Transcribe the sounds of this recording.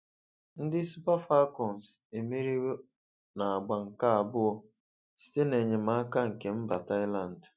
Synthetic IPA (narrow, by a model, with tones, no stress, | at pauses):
n̩˦dɪ˦su˦pa˦fa˦kɔ˨n˨se˨mi˦ɾi˦we˦ | na˨a˨ɡ͡ba˨ŋ̩˨ka˦a˨bʊ˦ɔ˦ | si̥˦te˦ne˨ɲe˨ma˦ka˦ŋ̩˨ke˨m̩˦ba˨ta˦ɪ˦la˨n˨d